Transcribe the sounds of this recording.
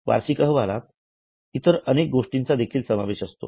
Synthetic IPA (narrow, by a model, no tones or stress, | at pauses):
ʋa̰ɾsikəɦʋala̰t̪ | it̪əɾənek̚ɡoʂʈint͡sad̪ekʰiːlsəmaʋeɕəst̪o̰